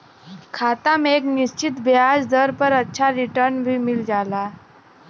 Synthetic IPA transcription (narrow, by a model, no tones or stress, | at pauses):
kʰat̪amekniɕt͡ɕit̪bjad͡zd̪əɾpəɾətːɕʰaɾiʈəɾnbʱiːmild͡ʑala